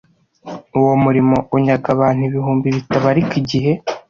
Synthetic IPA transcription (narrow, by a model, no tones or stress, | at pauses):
uwo̞muɾimo̞ʔuɲaɡaβaːn̥huβiɦuːmbiβitaβaɾikiɟiɦe̞